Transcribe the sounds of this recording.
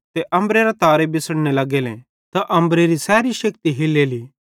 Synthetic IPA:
t̪eʔɐ̃mbɾeɾat̪aːɾebɪsəɽnelɐɡelḛ̃ | t̪aʔɐ̃mbɾeɾisɛːɾiʃɐk̚t̪iɦɪlːeːliː

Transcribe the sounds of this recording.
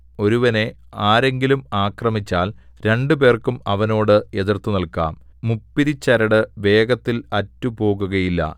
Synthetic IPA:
o̞ɾuʋɐne̞ | aːɾe̞ŋɡilumaːkrɐmit͡ɕːaːlɾe̞ɳɖupe̞ːrkumɐʋɐno̞ːɽɨe̞ðirt̪unɐlka̰ːmː | upːiɾit͡ɕːɐɾɐɽɨʋe̞ːɡɐt̪ːilɐtːupo̞ːɣuɣɐjilːɐ̰

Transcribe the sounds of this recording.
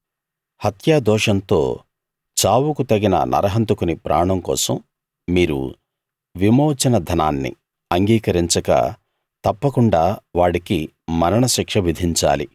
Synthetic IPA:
hɐt̪jaːd̪ɔːʂɐnt̪o̰ː | t͡ʃaːwukut̪ɐɡinɐ̰nʔɐ̰ɾɐɦɐnt̪ukunipɾʔa̰ːɳɐmkɔ̰ːsɐ̰mː | iːɾṵ | ʋimoːt͡ʃɐnɐd̪ʱɐnaːnːḭ | ɐŋɡiːkɐɾiɲt͡ʃɐkɐ̰ | t̪ɐpːɐkuɳɖaːʋaːɽiki | mɐɾɐɳɐʃikʂɐʋid̪ʱiɲt͡ʃa̰ːlḭ

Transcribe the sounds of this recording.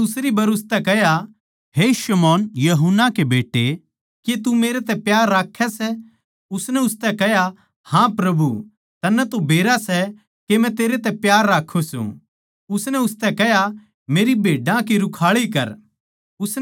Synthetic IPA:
ʊsɾibɐɾʊst̪ɛkɛɦja | ɦeʃɐmɔːnjɐɦʊnːakebeːʈe | ket̪umeːɾet̪ɛ̃pjaːɾːaːkʰːɛsɛ | ʊsnɛʊst̪ɛkɛɦja | hãpɾɐbu | t̪ɐnːɛt̪obʱeːɾasɛ | kemɛ̃t̪eːɾet̪ɛpjaːɾːaːkʰːosṵ̃ | ʊsnɛʊst̪ɛkɛɦja | meːɾibʱeːɖãkiɾʊkʰaːɭikɐɾ | ʊs

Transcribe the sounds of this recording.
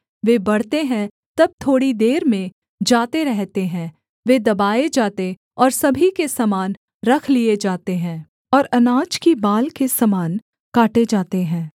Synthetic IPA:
ʋeːbɐɽ̤t̪eɦɛ̃ | t̪ɐb̚t̪ʰoːɽid̪eːɾmẽ | d͡ʒaːt̪eɾɛɦt̪eɦɛ̃ː | ʋed̪ɐbaːed͡ʒaːt̪e | ɔːɾsɐbʱikesɐmaːn | ɾɐkʰlied͡ʒaːt̪eɦɛ̃ː | ɔːɾɐnaːd͡ʒkibaːlkesɐmaːn | kaːʈed͡ʒaːt̪eɦɛ̃ː

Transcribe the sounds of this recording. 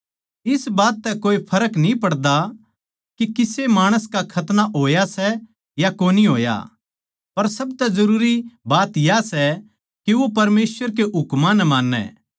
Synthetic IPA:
ɪsbaːt̪ːɛkoːipʰɐɾəknĩpɐɽd̪a | kikɪsemaːɽ̃əskakʰɐt̪naɦoːjasɛ | jakoːniɦo̰ːja̰ | pɐɾsɐbt̪ɛzɐɾuːɾibaːt̪jasɛ | kiʋopɐɾmeːsʋəɾk̬eɦʊkmãnɛmaːnːɛ̰ː

